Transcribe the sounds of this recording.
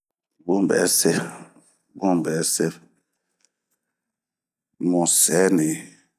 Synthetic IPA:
bu˦m˨bɛ̰˨˦sɛ˦ | bu˦m˨bɛ˨˦sɛ˦ | mũ˨sɛ˨˦ni˨

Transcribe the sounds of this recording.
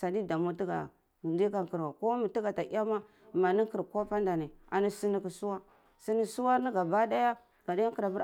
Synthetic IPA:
sa˨di˦da˨mu˦ti˦ɡa̰˨ | di˦ka˨ŋki˨ɾwa˨ko˦mi˨ti˦ɡa˨ta˨i˦a˦ma˦ | ma˨ni˦ki˨ɾko˦pa˦nda˨ni˨a˨ni˦si˦ni˦ki˨su˦wa˦ | si˦ni˦su˦wa˦ni˦ɡa˨ba˦da˦ja˦ | ɡ̥a˨da˦ja˦ki˨ɾa˨bu˦ɾ

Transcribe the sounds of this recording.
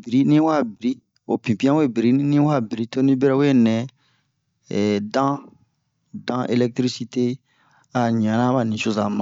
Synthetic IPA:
bi˨ɾi˦nĩ˦wa˦˨bi˨ɾi˦ | o˨pĩ˨pi˦ã˦we˦bi˨ɾi˦nĩ˦wa˦bi˨ɾi˦to˦nĩ˦bɛ˦ɾɛ˦we˦nɛ̃˨ | dã˦ | dã˦ʔe˦lɛ˦k̚t̪ɾi˦si˦te˦ | a˨ɲ˨ã˨nã˦ba˨nĩ˨so˦zã˨mã˨

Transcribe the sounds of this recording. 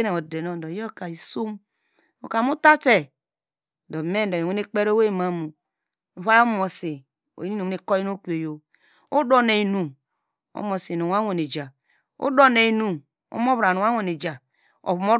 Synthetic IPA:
ne˨o˨de˨no˦˨dɔ˨˦ɔ˦ka˨i˨so˦m | o˨ka˨mo˦ta˦te˨ | dɔ˨me˦˨do˨jo˨e˦ne˦k͡pe˦ɾo˦we˦˨ma˨mu˨ | o˨βa˦jo˦mo˨se˨ | o̰˨ji˦ni˦no˨˦e˦ko˦ji˦n˦o˦ku˦e˨jo˨ | o˦do˦ne˨i˨nu˨ | o̰˦mo˨si˨no˨a˦wʷo˨ne˨d͡ʒa˨ | o̰˦do˦ne˨i˨nu˨ | o̰˦m˦o˦βɾa˨no˨a˦o˨ne˨d͡ʒa˨ | o̰˨βmo˦

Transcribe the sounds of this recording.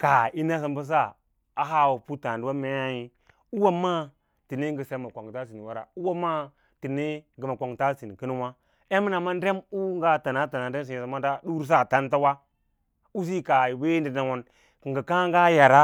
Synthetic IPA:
ka˨i˦na˦s̬a˦mbə˦s̬a˦˨ | a˦ɦa˦wo˨pu˦ta˨n˨dwa˦me˦ja˦ji˦ | u˦wa˦ma˦ | ti˨ne˦ŋɡə˨se˦ma˨kʷo˨ŋ˨ta˦si˨n˨wa˦ɾa̰˨u˦wa˦ma˦ | ti˨ne˦ɡə˨ma˨ko˨ŋ˨ta˦si˨n˨ki˦ni˦wa˦ | e˦mi˦na˨ma˦n˦de˦mu˦ŋ˦ɡa˦ta˨na˦ta˨na˨n˦de˦s̬i˨sa˨ma˦a˦du˦ɾs̬a˦˨ta˦n˦ta˦wa˦ | u˦s̬i˦ka˨we˦di˨na˨ŋo˨n | ki˨ŋɡə˨ka˦ŋɡa˦ja˨ɾa˦

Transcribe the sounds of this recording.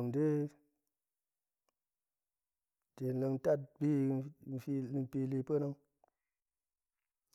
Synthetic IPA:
ŋdi˦ | te˨n̩˨lə˧ŋ˦ta˦˨t̚bi˦˨fi˧˨m˦pi˧li˧pə˦na˦ŋ

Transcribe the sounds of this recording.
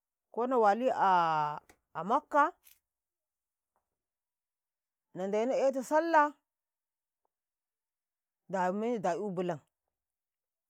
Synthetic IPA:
ko˦na˨wa˨li˦a˨ | a˨ma˦kːa˦ | na˨nda˨ji˦na˦e˦t̬a˨sa˦lːa˦ | da˨ma˦da˨u˦bu˨la˨ŋ

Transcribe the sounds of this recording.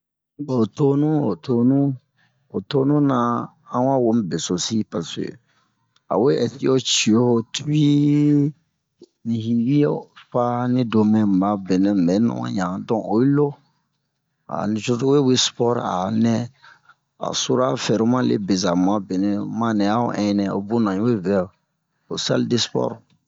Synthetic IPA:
ɔ˨to˦nũ˦o˨to˧nũ˦ | o˨to˦nũ˦nã˨ | ã˦wã˦wo˨˦m˦be˨so˨si˦pa˨sḛ˨ | a̰˨we˦ɛ˨ti˦o˦t͡ʃi˨o˦ho˨tu˦i˦ | nĩ˨hi˨wi˦o˦pa˦nĩ˦do˨mɛ̃˨m̩˨ba˨˦be˨nɛ̃˨ɛ˨˦nṵ̃˦wã̰˦ɲã˨dɔ̃˦o˨i˦lo˦ | a̰˨nĩ˨t͡ʃo˦to˦we˦we˦spɔ˦ɾa̰˨nɛ̃˦ | a̰˨so˦ɾa˦fɛ˨ɾo˦mã˦lḛ˦be˨za˨mũ˨a˦be˨nɛ̃˦mã˦nɛ̃˨a˦o̰˦ʔɛ̃˦nɛ̃˨o̰˨bu˦nã˨ĩ˦we˦vɛ˨˦˨ | o˨sa̰˦lde˦spɔ̰˦ɾ

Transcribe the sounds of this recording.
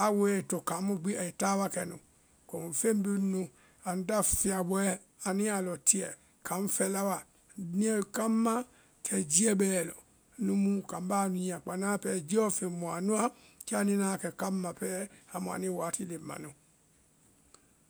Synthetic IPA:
a˨we˦ɛ˨to˨ka˨˦mũ˦ɡ͡bi˦a˨i˨ta˦wa˦kɛ˨nṵ̃˨ | ko˨m˨fe˦m˦bu˦nũ˧ | a˨n̩˦da˦fi˨a˨bɔ˦ɛ˦ | a˨nĩ˦a˨lɔ˨tʰi˦ɛ̰˨ | kã˨˦ɱ̩˦fɛ˨la˦wa˨ | nĩ˦ɛ˦˨ka˦mːa˦ | kʰɛ˨d͡ʒi˦ɛ˦bɛː˦˨lɔ̰˨ | nũ˦mũ˦ka˨m˦ba˦˨nũ˨˦˨ã˨k͡pa˨nãː˦pɛː˨˦d͡ʒi˦ɔ˦fe˨mũ˨a˨nũ˦a˦ | ki˦a˦nĩ˦nã˨˦kɛ˨ka˦mːã˨pɛː˦a˨mũ˨a̰˨nĩ˦waː˨˦ti˦le˨mːã̰˨nũ˨

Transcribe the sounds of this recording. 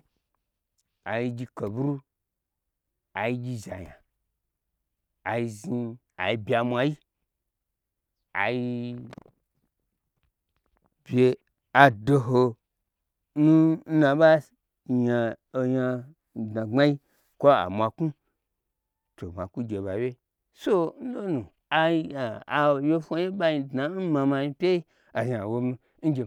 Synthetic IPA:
a˨ji˧ɡʲi˧ko˨bu˦ɾu˦ | a˨ji˧ɡʲi˧za˨ja˨ | a˨ji˧zi˧ | a̰˨i˧bʲa˧mʷ˧a˧ji˦ | a̰˨ji˧ | b̥ʲe˧ | a˨do˧ɦo˧ | nu˦n̩˦nã˧ba˦˨ | ja˧ | o˧ɲa˧˨ | dna˨ŋ͡ma˦ji˦ | kʷo˦a̰˨mʷã˧ku˦ | to˨mʷa̰˨ku˦ɡʲe˨ba˨wʲe˦ | so˦n̩˦lo˦nu˨ | a˨˧˦a˨a˨we˦fo˧je˦ba˦ji˧dna˨˦n̩˦ma˧ma˧ji˧pʲe˦i˦ | a˨ʒa˨wo˧mi˧˦n̩˦ɡʲe˨

